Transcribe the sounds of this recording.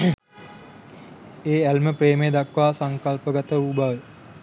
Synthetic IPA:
eːælməpreːmed̪akʋaːsaŋkalpəɡat̪əubaʋə

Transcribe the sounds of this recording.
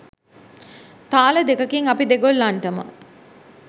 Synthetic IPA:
t̪aːləd̪ekəkiŋapid̪eɡolːaɳʈəmə̰

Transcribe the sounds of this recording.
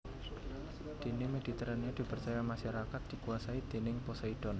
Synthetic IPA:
d̪̥i̤nɪmedit̪əɾanɲad̪̥ipərt͡ʃajamaʃaɾakat̪̚d̥ikuasaid̪̥e̤nɪŋposaid̥ɔn

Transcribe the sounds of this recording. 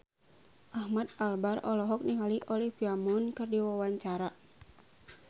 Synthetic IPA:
ʔahmat̪̚albarɔlɔɦɔk̚niɦaliʔɔlifiamunkɨrdiwawaɲt͡ʃaɾa

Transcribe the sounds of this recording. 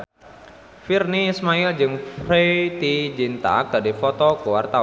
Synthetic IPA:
firnismaild͡ʒɨŋfɾet̪id͡ʒint̪a̰k̚dadifɔt̪ɔkuwart̪a

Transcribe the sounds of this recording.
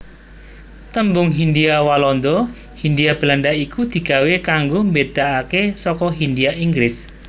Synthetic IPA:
t̪əmbʊŋɦind̪iawalɔnd̪ɔ | hind̪iab̥əland̪aikud̪̥i̤ɡ̥a̤wekaŋɡombed̪̥aʔakesɔkɔɦind̪iaʔiŋɡɾɪs

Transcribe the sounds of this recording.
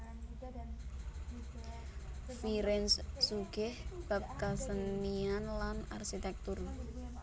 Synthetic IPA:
fiɾɛnsːuɡɪhb̥ap̚kasənːianlana̰rʃit̪ɛk̚t̪ʊr

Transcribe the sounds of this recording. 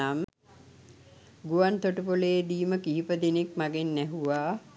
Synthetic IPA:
am | ɡuʋant̪oʈəpoleːd̪iːməkiɦipəd̪enek̚maɡenːæɦuʋaː

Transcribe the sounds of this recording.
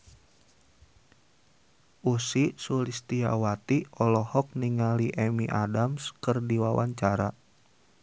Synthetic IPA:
ʔusisulist̪ia̰wat̪iɔlɔhɔk̚niŋaliʔɛmiʔadamskərdiwawa̰ɲt͡ʃaɾa

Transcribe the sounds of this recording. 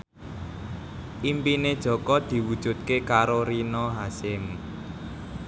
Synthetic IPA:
ʔimpined̥ʒ̥ɔ̤kɔd̪̥i̤wud̥ʒ̥ṳd̪̚kekaɾoɾinɔɦasɪm

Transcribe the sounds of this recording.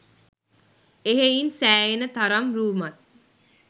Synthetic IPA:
eɦeinsæːjenət̪aɾamɾuːmat̪̚

